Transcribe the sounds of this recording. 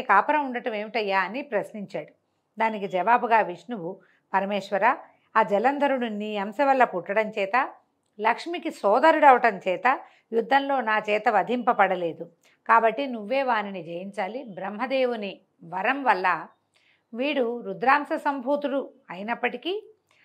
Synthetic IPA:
kaːpɐɾɐmuɳɖɐʈɐmeːʋiʈɐjːaːɐnipɾɐsniɲt͡ʃaːɽu | d̪aːnikid͡ʒɐʋaːbuɡaːʋiʂnuʋu | pɐɾɐmeːʂʋɐɾaː | aːd͡ʒɛlɐnd̪ʱɐɾuɽuniːɐmsɐʋɐlːɐpuʈːɐɽɐmt͡ʃɛːt̪ɐ | lɐkʂmikisɔːd̪ɐɾuɽɐʋɐʈɐmt͡ʃɛːt̪ɐ | jud̪ʱːɐnloːnaːt͡ʃɛːt̪ɐʋɐd̪ʱimpɐpɐɽɐle̞ːd̪u | kaːbɐʈːinuʋːe̞ːʋaːɾinid͡ʒɐjiɲt͡ʃaːlibɾɐmɦɐd̪eːʋuni | ʋɐɾɐmʋɐlːɐ | ʋiːɽuɾud̪ɾaːmsɐsɐmbʱuːt̪uɽuɐjinɐpːɐʈikiː

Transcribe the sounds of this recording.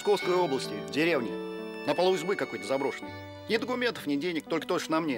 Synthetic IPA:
sko̞fskəjo̞blˠəsʲtʲɪdʲɪɾʲe̞vnʲɪ | nəpəlˠəʊzʲbɨkɐko̞jt̪əzɐbɾo̞ʂɨnəj | nʲɪd̪əkʊmʲent̪ə̥fnʲɪdʲenʲːɪk̚t̪o̞lʲkə̥t̪oʂnamnʲe

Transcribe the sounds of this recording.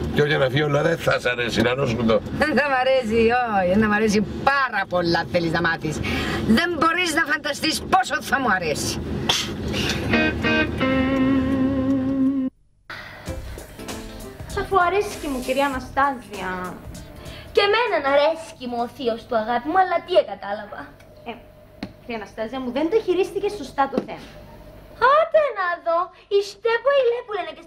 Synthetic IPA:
coʝɐnɐfiolɐðeθɐsɐɾesinɐɾosund̪oðenθɐmɐɾes̬ioienɐmɐɾes̬ipɐɾɐpo̞lːɐteliznɐmɐt̪isðe̞mbo̞ɾiznɐfɐnd̪ɐst̪ispo̞soθɐmuɐɾesi̥ | θɐfoɐɾescimuciɾiɐːnɐst̪ɐziɐ | ce̞me̞nɐnɐɾe̞scimuoθiost̪uɐɣɐt̪imuɐlːɐt̪ieɡɐt̪ɐlɐvɐ | e | ciɾiɐnɐst̪ɐziɐmuðend̪oçiɾist̪icesost̪ɐt̪oθemɐ | ot̪enɐðo̞ | ist̪epoilepulenece

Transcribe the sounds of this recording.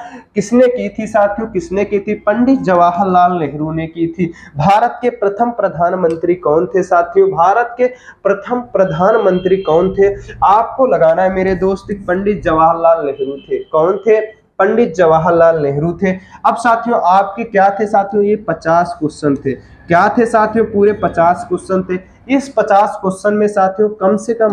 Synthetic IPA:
kɪsnekit̪ʰisaːt̪ʰjõkɪsnekit̪ʰipə̃ɳɖɪt̪d͡ʒɐʋaːɦəlːaːlːeɦɾunekit̪ʰi | bʱaːɾət̪kepɾət̪ʰəmpɾəd̪ʱaːnmə̃nt̪ɾikɔːnt̪ʰesaːt̪ʰijõbʱaːɾət̪̚ke | pɾɐt̪ʰəmpɾəd̪ʱaːnmə̃nt̪ɾikɔːnt̪ʰeaːp̚kolɐɡaːnaɦɛmeːɾed̪oːst̪ɪk̚pə̃ɳɖɪt̪̚d͡ʒɐʋaːɦlːaːlːeɦɾut̪ʰekɔːnt̪ʰe | pə̃ɳɖɪt̪̚d͡ʒɐʋaːɦlaːlːeɦɾut̪ʰeɐbsaːt̪ʰijõʔaːp̚kekjaːt̪ʰesaːt̪ʰijõjepət͡ʃaːskʊsənt̪ʰe | kjaːt̪ʰesaːt̪ʰijõpuːɾepət͡ʃaːskʊsənt̪ʰe | ɪspət͡ʃaːskʊsənmẽsaːt̪ʰijõkɐmsekəm

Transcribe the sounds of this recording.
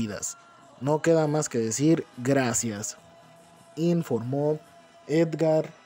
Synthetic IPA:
iða̰s | noke̞ðamaskeðesiɾɡɾasjas | iɱfoɾmo | ed̪ɡaɾ

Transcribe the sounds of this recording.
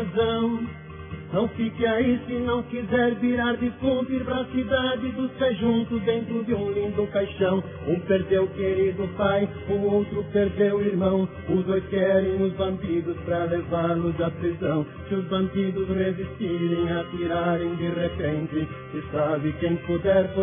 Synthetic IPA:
zɐ̃w̃ | nɐ̃w̃fikɪaisɪnɐ̃w̃kizɛɾviɾaɾd̪ɪfũp̪iɾpɾɐsid̪ad̪ɪd̪ʊsteʒũnt̪ʊd̪ẽnt̪ɾʊd̪ɪũlĩŋɡ̪ʊkajʃɐ̃w̃ | ũpeɾd̪ewkeɾid̪ʊpaj | ʊowt̪ɾʊpeɾd̪ewiɾmɐ̃w̃ | ʊzd̪ojskɛɾẽj̃nʊzbɐ̃np̪id̪ʊspɾɐlevaɾlʊzɐpɾizɐ̃w̃ | kɪʊzbɐ̃np̪id̪ʊzrezist̪iɾẽj̃ɐt̪iɾaɾẽj̃d̪iʁepẽnt̪ɪ | sɪsabɪkẽj̃pod̪ɛɾfo

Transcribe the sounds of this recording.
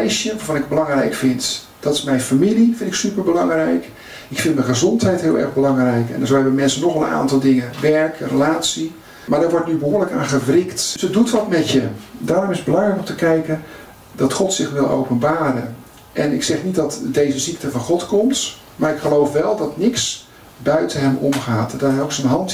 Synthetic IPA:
ɛjsjənʋaːɹvɑnɪkbəlɑŋrɛjkfɪnt | d̥ɔtɪ̥smɛjnfamilifɪntɪksypəɹbəlɑŋrɛjk | ɪkfɪntməxəzɔntɦɛjtɦɪəlˠɛ̰rɣbəlɑŋrɛjkɛ̰ndəzohɛbəmɛnsənɔxəna̰ːntɑlˠdɪŋənʋɛɹkrəlaːsi | maːɹdɔʋɔɹtnybəɦoːrləka̰ːnχəvrɪktsədutʋɑtmɛtjədaːrʊmɪsədbəlɑŋrɛjkɔmtəkɛjkən | dɑtχɔtsɪxʋɪlˠʔo̰wpənbaːɾə | ʔɛnɪksɛχnitdɑtdejzəzik̚təvɑnχɔtkɔmt | maːrɪkχəlowfʋɛlˠdɑtnɪks | bœɥtəɦɛmɔ̰mχaːtdɔtɦɛjoksənɦɑnt

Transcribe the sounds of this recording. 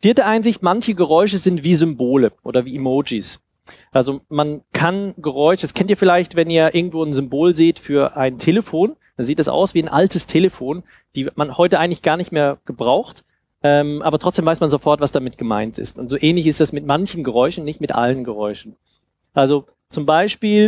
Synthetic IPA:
fiːɐtəʔaɪnzɪçtmançəɡəʁɔʏʃ̬əzɪntv̥iːzʏmboːləʔo̰ːdɐviːʔimoːd͡ʒis | ʔalzomankʰanɡəʁ̞ɔʏʃədaskʰɛntiːɐfɪlaɪçtv̥ɛniːɐʔɪɐɡŋ̩tv̥oːnzʏmboːlzeːtfyːɐʔaɪntʰeːləfoːnd̥anziːtd̥asʔa̰ʊsv̥iːaɪnʔaltʰəstʰeːləfoːn | d̥iːmanhɔʏtəʔaɪɡŋ̩tlɪçɡ̥aːɐnɪçtmeːɐɡ̥əbʁaʊxt | ʔɛːmʔaːbɐtʰʁ̥ɔt͡sd̥eːmvaɪsmanzofɔɐtv̥asd̥amɪt̚ɡ̥əma̰ɪntɪ̰stʊntz̥oːʔɛːnlɪçɪstd̥asmɪtmançn̩ɡəʁɔʏʃn̩nːɪçtmɪtʔa̰lənɡəʁɔʏʃn̩ | ʔalzo | t͡sʊmbaɪʃpiːl

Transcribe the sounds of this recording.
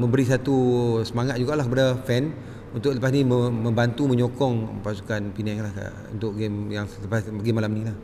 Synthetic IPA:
mə̃mbəɾis̬at̪usəmaŋat̪̚d͡ʒuɡaʔlahkəpadafɛn | unt̪ʊkʔləpasnĩməmə̃mbant̪umə̃ɲokɔŋpasu̥kanpinɛklahka̰ | ṵnt̪ʊʔɡemjaŋləpasəɡimalamnĩlah

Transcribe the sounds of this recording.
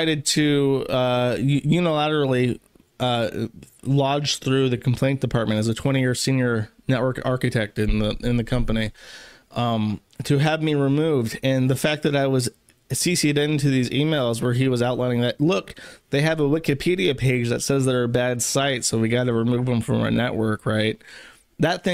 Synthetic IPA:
ɪɾɨd̚tʰɨʌjjʉnəlæɾə˞l̩ˠi | lɑd͡ʒ̥θɹʉðɨkʰm̩pʰl̥ẽɪ̃nd̥ɨpʰɑɹt̚mɨ̃ñtɨzɨtʰw̥ɛ̃ɾ̃ijɪɹsĩnjə˞nɛʔ̚wɜ˞kɑ̰ɹkɨtʰɛk̚tɨ̃nðəɪ̃nðɨkʰʌ̃mpəni | tʰɨːvmiɹimuvdɨ̃nðəfæk̚ðɨɾaɪwʌz | sisiɾɪ̃ntʉðizimeɪlˠzwə˞iwʌzaʊʔˡlaɪ̃ɪ̃ŋðɨt̚lʊkðeɪɨvəwɪkɨpʰiɾiɨpʰeɪd͡ʒðɨtsɛzðəbædsaɪtsoʊwiɡɑɾɨɹɨmuvə̃ɱfɹʌ̰̃mə̰˞nɛʔwɜ˞kɹaɪt̪̚ | ðɨt̪̚θɪ̃

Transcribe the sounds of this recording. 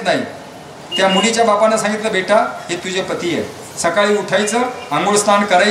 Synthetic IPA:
naɦi | t̪jamuɽit͡ɕjabapanːasãŋɡit̪ləbʱeʈaɦet̪ud͡ʑʱepət̪ije | səkaɭiːuʈʰajt͡səːəŋɡoɭst̪ankəɾa

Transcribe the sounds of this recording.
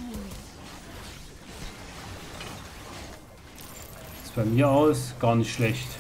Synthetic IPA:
sfɔnmiːɐaʊsɡ̥aːnsʃlɛçt

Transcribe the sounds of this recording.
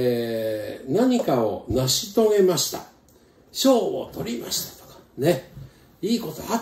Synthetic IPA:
naɲ̟ikao̞naɕit̪o̞ŋe̞maɕi̥t̪a̰ | ɕo̞ːβo̰t̪o̞ɾʲima̰ɕi̥t̪ḁt̪o̥kḁne̞ | iːko̞t̪oa

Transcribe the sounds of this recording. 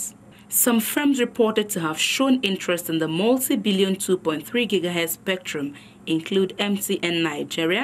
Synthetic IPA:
sʌ̃mfɹɛ̃mzɹɪpʰɔtɨd̚tʰuɦəv̥ʃõnɪ̃nt͡ʃɹ̥ɛstɪ̃nðəmʌlˠtibɪljə̃ntʰupɔ̃ɪ̃nt̪θɹiɡɪɡaɦɛdspɛk̚tʰɹ̥ə̃m | ɪ̃nkʰl̥udɛ̃mptiʔɨ̃nːaɪd͡ʒiɹiə

